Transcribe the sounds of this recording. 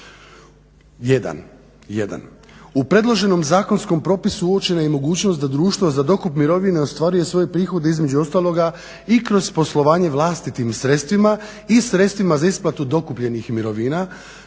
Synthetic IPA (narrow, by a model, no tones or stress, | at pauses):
jed̪a̰n | jed̪a̰n | upɾe̞d̪lˠo̞ʒe̞no̞mzaːko̞nsko̞mpɾo̞ːpisuuo̞t͡ʃe̞najemo̞ɡuːt͡ɕno̞st̪d̪ad̪ɾuːʃt̪ʋozzad̪o̞kupmiɾo̞ʋine̞ost̪ʋaɾuje̞sʋo̞je̞pɾiːxo̞d̪e̞izme̞d͡ʑuo̞st̪aːlˠo̞ɡa | ikɾo̞z̥po̞slˠo̞ʋaːɲe̞ʋlˠast̪it̪imsɾe̞t̪st̪ʋima | isɾe̞t̪st̪ʋimazaisplˠat̪ud̪o̞kupʎe̞nixmiɾo̞ʋiːna